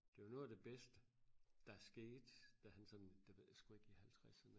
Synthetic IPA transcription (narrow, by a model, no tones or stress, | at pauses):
d̥e̝ʋɑnɔ̽ːðˠd̥e̝b̥esd̥əd̥ɑ̈æɐsɡ̥e̝̰ːd̥d̥æhænsɒ̽nnd̥e̝ʋeð̰ˠjsɡ̥ue̝ɡ̥ihælt͡sʰʁasɐn